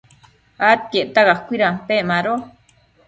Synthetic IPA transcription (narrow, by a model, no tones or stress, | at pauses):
at̪̚keʔt̪aɣaχkʷiɾampeʔmaɾo